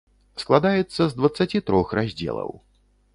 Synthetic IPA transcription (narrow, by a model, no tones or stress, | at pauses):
sklˠad̪ajɛt̪sːɐzd̪vɐt̪sːat͡sʲit̪ɾɔxrazʲd͡zʲɛ̰lˠɐ̰w